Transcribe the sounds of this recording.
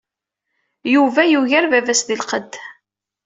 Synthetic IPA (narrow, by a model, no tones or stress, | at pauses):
juvæjuʝæɾvævæsðilqəd̪ː